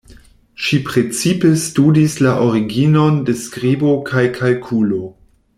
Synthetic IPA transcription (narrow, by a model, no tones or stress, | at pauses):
ʃipɾe̞t͡sipe̞studislaʔoɾiɡino̞nde̞skɾibokʰajkʰalkʰulo